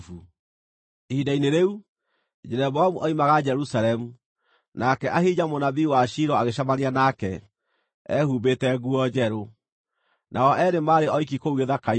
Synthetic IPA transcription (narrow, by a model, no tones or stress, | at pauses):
fu | ehidaineɾeu | d͡ʒɛɾɛβɔamuʔɔimaɣad͡ʑɛɾusaɾɛmu | nakɛʔaɦid͡ʑamonaβiwaʃiɾɔaɣeʃamanianakɛ | ɛ̰huːβetɛɣuɔd͡ʑɛɾo | nʔaɔʔɛɾemaːɾeɔik̬ikouɣeðaka